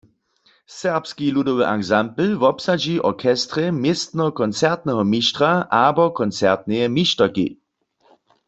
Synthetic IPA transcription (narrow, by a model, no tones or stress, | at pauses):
sɛʁpskiludoʋəʔakzampl̩ʋɔpsad͡ʒiʔɔkʰɛstʁɛmjɪst̪nɔkɔnt͡sɛʁt̪nɛɦɔmiʃtʁaʔabɔkʰɔnt͡sɛʁt̪̚nɛjɛmiʃtɐkḭ